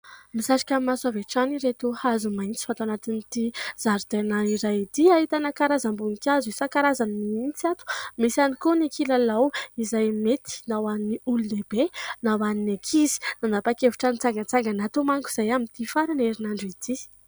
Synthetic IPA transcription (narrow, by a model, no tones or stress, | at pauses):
misaʈ͡ʂi̥kʲammasaveʈ͡ʂaniɾet̪uhazumajnt͡si̥fat̪aanat̪init̪iz̥aɾd̪̥enaiɾajt̪iaɦit̪anakaɾazambunikʲazisakaɾazanimiint͡siat̪u̥misanikonekilalawizajmet̪ʰi̥nawaniniululebenawaninekʰizi̥nanapakevu̥ʈ͡ʂanit͡saŋɡat͡saŋɡanat̪omaŋkuz̥ajamit̪ifaɾaneɾinaɳɖ͡ʐit̪i